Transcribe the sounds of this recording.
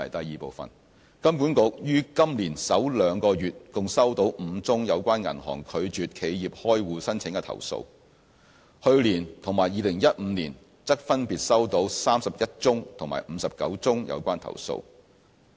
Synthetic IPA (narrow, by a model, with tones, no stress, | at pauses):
ɐ˨˩jt̪ɐ˨jiː˨˧po˨˧wfɐ̰˨n | kɐ˥mp̬uː˨˥nkʊ˨˧k̚jyː˥kɐ˥mliː˨˩nsɐ˨˥wlœː˨˧ŋkɔː˧jyː˨t̚kʊ˨ŋsɐ˥wt̪o˨˥wm̩˨˧t͡sʊ˥ŋjɐ˨˧wkʷaː˥nŋɐ̰˨˩nhɔ̰ː˨˩ŋkʰɵ˨˧ɥt͡ʃyː˨t̚kʰe˨˧jjiː˨p̚hɔː˥jwuː˨˧sɐ˥nt͡sʰɪ˨˥ŋkɛ˧t̪ʰɐ̰˨˩wso̰˧w | hɵ˧ɥliː˨˩nt̪ʰʊ˨˩ŋmaː˨˩jiː˨˧lɪ˨˩ŋjɐ˥t̚m̩ː˨˧niː˨˩n | t͡sɐ˥k̚fɐ˥npiː˨t̚sɐ˥wt̪o˨˧˥wsaː˥msɐ˨p̚jɐ˥t̚t͡sʊ˥ŋt̪ʰʊ˨˩ŋmaː˨˩jm̩ː˨˧sɐ˨p̚kɐ̰˨˥wt͡sʊ˥ŋjɐ̰˨˧wkʷaː˥nt̪ʰɐ̰˨˩wso̰˧w